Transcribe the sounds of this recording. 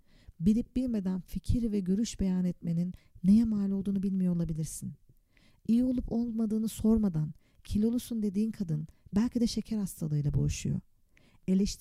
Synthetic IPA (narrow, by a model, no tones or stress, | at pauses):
biɾʲip̚bilʲme̞d̪ænficʰiɾvɛɟø̞ɾyʃbe̞jaːnɛt̪me̞ninːejɛmaːlʲolˠd̪uːnubilʲmijo̞olˠabilʲiɾsin | ijio̞lˠupo̞lˠmad̪ɯːnɯso̞ɾmad̪an | cʰilʲo̞lˠusund̪e̞d̪iːnkʰad̪ɯnbælʲcʰid̪ɛʃe̞cʰæɾhast̪ʰalˠɯːjlˠabo̞̰juʃujo̰ | e̞lʲeʃt̪ʰ